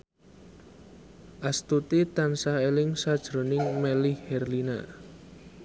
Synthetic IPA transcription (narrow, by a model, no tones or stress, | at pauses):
ʔast̪ut̪it̪ansaelɪŋsad̥ʒ̥ɾo̤nɪŋmɛlɪhhɛrlina̰